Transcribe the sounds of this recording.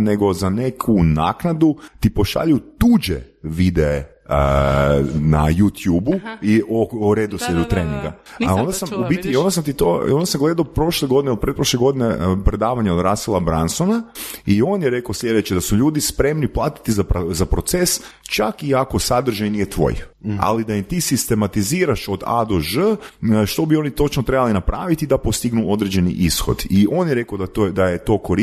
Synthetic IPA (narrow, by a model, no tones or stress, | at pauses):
neɡo̞zane̞kʰuna̰knad̪ut̪ipo̞ʃa̰ʎut̪uːd͡ʒḛʋid̪ee | ə | na̰jut̪juːbuiooɾed̪oseʎut̪ɾeːnḭŋɡa̰ | ao̞nd̪asamubit̪io̞nd̪as̬amt̪̬it̪oo̞nd̪asamɡle̞d̪aopɾo̞ʃlˠeɡo̞d̪inelpɾet̪pɾoʃlˠeɡo̞d̪inepɾe̞d̪aːʋaɲeod̪ɾaːsilabɾansonaio̞njeɾe̞kaoslʲe̞d̪e̞t͡ɕed̪asuʎuːd̪ispɾe̞mniplˠaːt̪i̥t̪izapɾzapɾo̞t̪sest͡ʃakiako̞sad̪r̩ʒajnijet̪ʋo̞̰ja̰lid̪ajemt̪isist̪e̞mat̪iziːɾaʃo̞d̪a̰d̪oʒəʃt̪o̞bio̞ːnit̪o̞t͡ʃnot̪ɾe̞balinapɾʔa̰ːʋit̪id̪apo̞st̪iɡnuo̞d̪ɾed͡ʑe̞nḭʔisxo̞̰d̪io̞njeɾe̞kaod̪at̪od̪ajet̪o̞ːko̞ɾi